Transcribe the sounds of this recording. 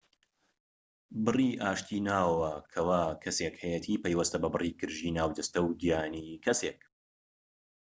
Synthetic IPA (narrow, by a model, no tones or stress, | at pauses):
bɨriːʔaːʃt̪ʰiːnaːwwɐkʰɐwaːkʰɐseːkhɛjɛt̪ʰiːpejwɐst̪ɐbɐbɨriːkʰɨɾʒiːnaːwd̪ɐst̪ɐwd̪ijaːniːkʰɐseːk̚